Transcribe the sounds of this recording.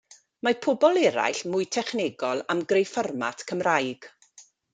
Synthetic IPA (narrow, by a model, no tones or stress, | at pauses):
mapʰʊbɔlˠɛɾa̰jɬmʊɨtʰɛχnɪɡɔlˠamɡrejfərma̰tʰkʰəmrajɡ̥